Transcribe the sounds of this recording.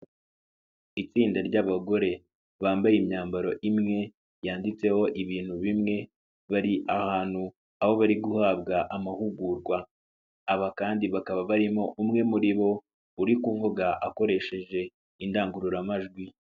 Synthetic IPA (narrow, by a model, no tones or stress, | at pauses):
it͡siːndaɾɟaβaɡo̞ɾe̞ | βaːmbajimɲaːmbaɾo̞ʔimŋe̞ | jaːndit͡se̞ho̞ʔiβiːn̥huβimŋe̞ | βaɾiʔahaːn̥hu | aβo̞βaɾiɡuhabɡaʔamahuɡuːɾɡwaː | βakaːndiβakaβaβaɾimo̞ʔumŋe̞muɾiβo̞ | uɾikuːŋvoɡaʔako̞ɾe̞ʃe̞ʒe̞ | indaːŋɡuɾuɾamaʒɡwi